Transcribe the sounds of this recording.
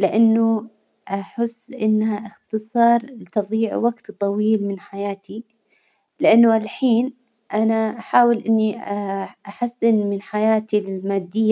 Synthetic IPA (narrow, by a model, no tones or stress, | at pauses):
lɪʔanːʊ | ʔaħɪsːʔɪnːhaʔɪxt̪ɨsˤɑːɾˤlɪt̪ɑðˤiːʕ̰waɡt̪t̪ˤːɑwiːlmɪnħajaːt̪i | lɪʔanːʊʔalħiːn | ʔanaʔaħaːwɪlʔɪnːiʔʔaħasːɪnmɪnħajaːt̪ilɪlmaːd̪ːɪjː